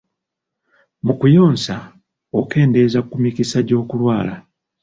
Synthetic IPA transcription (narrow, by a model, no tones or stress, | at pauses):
mukujo̞ːnsa | oke̞ːnde̞zakumikisaɟo̞ːkulwaːla